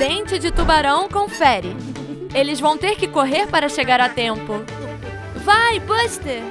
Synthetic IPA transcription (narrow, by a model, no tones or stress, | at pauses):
ẽnt͡ʃɪd͡ʒɪt̪ubaɾɐ̃w̃kõfɛɾɪ | elɪzvɐ̃w̃t̪eɾkɪkoɦeɾpaɾɐʃeɡaɾat̪ẽmpʊ | vajbɐʃt̪e